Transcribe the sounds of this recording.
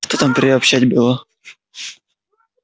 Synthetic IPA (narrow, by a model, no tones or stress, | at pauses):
t̪ot̪ampɾɪɔpʃaɟbɪlɔ